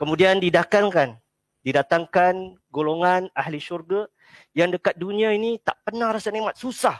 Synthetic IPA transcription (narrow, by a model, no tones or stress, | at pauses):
kəmũdiandidakaŋkan | didat̪aŋkan | ɡoloŋanahliʃurɡa | jaŋdəkat̪̚dunĩãinit̪a̰ʔpənãhɾasanemat̪̚susah